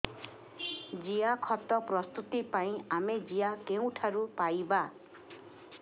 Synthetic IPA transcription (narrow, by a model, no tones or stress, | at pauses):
d͡ʒijakʰɔt̪ːɔprɔst̪ut̪ipaĩamed͡ʒijakew̃ʈʰaɾupajba